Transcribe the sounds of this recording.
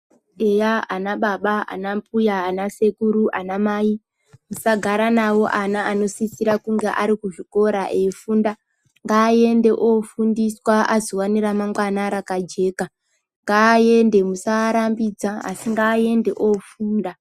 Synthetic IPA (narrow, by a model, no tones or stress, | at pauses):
ejaanaɓaɓaa̰nampujaːnase̞kuɾuʔanamai | musaɡʱaɾanawo̞ʔanaːno̞sisiɾakuŋɡe̞ʔaɾikuʐiko̞ɾaʔefunda | ŋɡaːje̞nde̞ʔofundiswaʔazowaniramamɡwanaɾakad͡ʒe̞ːka | ŋɡaːje̞nde̞musaɾambid͡zaa̰siŋɡaːje̞nde̞ʔofuːnda